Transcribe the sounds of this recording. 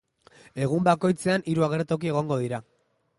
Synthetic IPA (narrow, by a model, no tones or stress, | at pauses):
e̞ɣ̞umbako̞jt͡se̞aniɾuaɣ̞e̞ɾt̪o̞k̬ie̞ɣ̞o̞ŋɡo̞ðiɾa